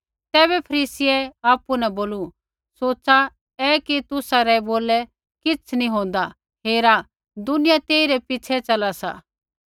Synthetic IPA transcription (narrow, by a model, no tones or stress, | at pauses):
t̪ɛːβɛpʰɐɾiːsɪɛaːpunɛboːlu | soːt͡sa | ɛkit̪ʊsaɾɛboːlɛ | kɪt͡sʰnĩɦõːn̆d̪a | ɦeːɾa | d̪ʊnɪjat̪eːiɾɛpɪt͡ʃʰɛt͡ʃɐlasa̰